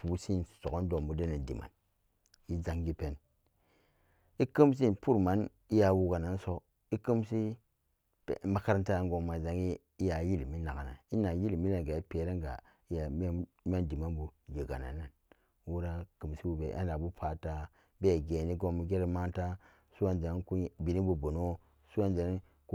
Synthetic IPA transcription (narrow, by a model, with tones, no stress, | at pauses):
pu˨˦si˦n˨so˨o˦n˦do˨mbu˨de˦ne˨ndḭ˨ma̰˨n | i˦za˨ŋɡi˦pe˨n | i˦kə˦ms̬i˦npu˦ɾma˨˦n | i˦ja˨wu˨ɡa˨na˨n˦so˦ | i˦kə˦msḭ˦˨ | ma˦ka˦ɾa˦n˦ta˦a˨ŋɡo˨ma˨za˨ŋiː˦ | ja˨ji˦lmi˦na˨ɡa˨na̰˨i˦na˨ji˦lmi˦la˦˨n˨ɡa˨i˦pe˨ɾe˦ŋɡa̰˨ | i˦ja˨˦ | mi˦a˦ndi˨ma˦nbu˨d͡ʒe˨ɡa̰˨na̰˨nːa˨n | wu˦ɾa˦kɨ˨msi˦wu˦bḛ˨ʔa̰˦na˨bu˦pʰa˨ta˦ | be˦˨ɡe˨ni˦ɡo˦mi˦ɡe˦ɾi˦ma˦nta˦ | su˦a˨nd͡ʒa˨˦ku˦bi˨ni˦bu˨bo˨no˦ | su˦wa˦nd͡ʒe˨˦ | k